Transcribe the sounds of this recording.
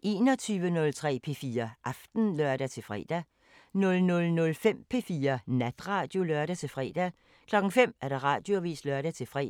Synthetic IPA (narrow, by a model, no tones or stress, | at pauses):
ʔe̝ːnɒ̽t͡sʰyːʋənɔ̽lt͡sʰʁɛ̰ːpʰe̝fiːɐʔɑ̈fd̥n̩lœɐ̰d̥æt͡sʰe̝lfʁɛ̰ːd̥æ | nɔ̽lnɔ̽lnɔ̽lfem̰pʰe̝fiːɐnæd̥ʁɑ̈ːd̥jo̝lɶɐ̰ɾ̥æt͡sʰe̝lfʁɛ̰ːd̥æ | kʰlɒ̽ɡ̥ŋ̩fem̰æɐɾ̥ɑ̈ʁɑ̰̈ːd̥jo̝ʋḭːslœɐɾ̥æt͡sʰe̝fʁɛ̰